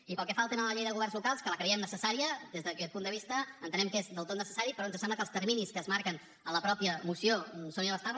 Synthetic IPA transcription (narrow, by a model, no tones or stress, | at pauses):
ipəlˠkɛfalˠt̪enələʎejðəɣuβɛrnzlukalˠskələkɾəiɛmnəsəsaɾiəd̪ezðəkɛt̪̚pund̪əβ̞ist̪əːnt̪ənɛmkezðəlˠt̪ot̪nəsə̥saɾipɾɔnzəsɛmləkəlˠst̪əɾminiskəːzmaɾkən | ələpɾɔpiəmusiosoniəβəst̪aɾ